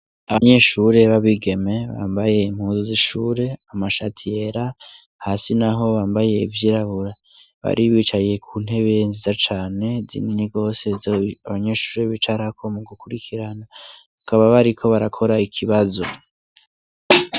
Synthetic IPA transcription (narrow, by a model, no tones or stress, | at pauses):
aβaɲe̞ʃuɾe̞βaβiɡe̞me̞βa̰ːmbaje̞im̥huːnzuziʃuːɾe̞amaʃatʰije̞ɾa | hasinaɦo̞βaːmbaje̞ivjiɾaβuɾa | βa̰ɾiβit͡ʃaje̞kʰuːn̥ɦe̞βenzizat͡ʃaːne̞zḭniniɡo̞ːse̞zoaβaɲe̞ʃuːɾe̞βit͡ʃaɾakʰo̞muɡukuɾikʰiɾanaβakaβaβaɾikʰo̞βaɾakʰo̞ɾaikʰiβazo̞